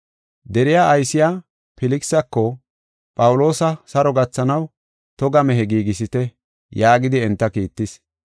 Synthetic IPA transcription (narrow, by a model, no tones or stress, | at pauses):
d̪ɛɾɪjaːʔɐjsɪja | pɪlɪksɐkːɔ | pʼɐwʊlo̞ːsɐsɐɾɔɡɐt͡sːɐnɐw | t̪ɔɡɐmɛɦɛɡiːɡɪs̬ɪt̪ɛ | jaːɡɪd̪ɪɛnt̪ːɐkiːt̪ːɪs